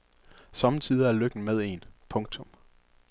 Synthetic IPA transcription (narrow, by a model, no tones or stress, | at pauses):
sɒ̽mət͡sʰiːð̞ˠɐæɐløɡ̥n̩með̞ˠe̝̰ːnpʰɔ̽ŋ̚t͡sʰɔ̽m